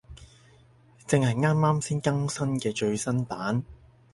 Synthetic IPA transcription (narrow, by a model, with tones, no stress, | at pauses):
t͡sɪ˨˧ŋhɐ˨jŋaː˥mːaː˥msiː˥nkɐ˥ŋsɐ˥nkɛː˧t͡ʃɵ˧ɥsɐ˥npaː˨˥n